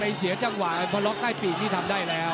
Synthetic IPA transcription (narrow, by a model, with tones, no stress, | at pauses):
ɾa˧jsi˩˦ɐt͡ɕa˧ŋwaː˨˩˧pʰɔ˦˥lɔː˦˥k̚t̪aː˥˩jpiː˨˩k̚t̪iː˥˩t̪ʰa˧mdaː˥˩jlɛː˦˥w